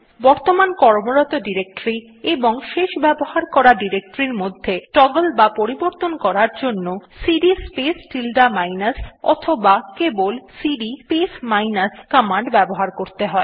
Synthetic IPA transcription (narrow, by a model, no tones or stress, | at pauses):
bɔɾt̪omankɔɾmoɾɔt̪oɖiɾek̚ʈɾi | eboŋʃeʃbɛboɦaɾkɔɾaɖiɾek̚ʈoɾiɾmod̪ʱːeʈɔɡolbapoɾiboɾt̪onkɔɾaɾd͡ʑonːosiɖispesʈilɖamajnasɔ̰t̪ʰobakebolsiɖipesmajnaskɔmaɳɖbɛboɦaɾkoɾt̪eɦɔe